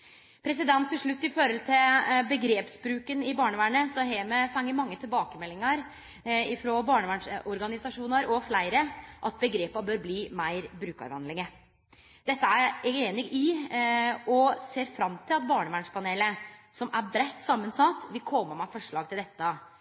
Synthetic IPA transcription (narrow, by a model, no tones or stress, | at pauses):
pʰɾɛs̬ɪd̪ɛnt̪ʰːɪlʂɭʉt̪ːɪfɔɾɔlt̪ʰɪlbəɡɾeːpsbɾʉːkənɪbɑːɳəʋæːɳəsɔɦeːmɛfɛŋːəɾmɑŋːət̪ʰɪlbɑːkəmɛlːɪŋɑɾ | ɪfɾobɑːɳəʋæːɳʂɔɾɡɑnɪsɑʂuːnɑɾɔflæɪɾəʔɑt̪̚bəɡɾeːpɑbøːɾbliːmæɪɾbɾʉːkɑ̰ɾʋɑ̰nd̪lɪŋə | d̪ɛt̪ːəæɾæɡeːnɪɡɪ | ɔseːɾfɾɑmt̪ʰɪlɑt̪̚bɑːɳəʋæɳʂpʰɑneːləsɔmʔæɾbɾɛt̪ːsɑmːənsɑt̪ːʋɪlkʰɔməmɛfɔʂɭɑːɡ̚t̪ɪld̪ɛt̪ːə